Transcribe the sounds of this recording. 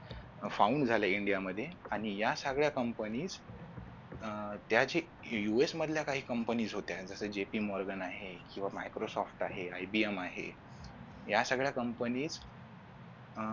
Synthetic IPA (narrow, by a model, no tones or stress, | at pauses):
fauɳɖd͡zʱaljaiɳɖijaməd̪ʱːjeaɽ̃ijasəɡɭjakəmpəniːt͡s | t̪jad͡ʑe | juesməd̪ʱljakaɦiːkəmpəniːd͡zɦot̪jad͡zəsəːd͡ʑepiːmɔɾɡənaɦekĩw̃ʋamajkɾosɔfʈaɦeajbiemaɦḛ | jasəɡɭjakəmpəniːt͡s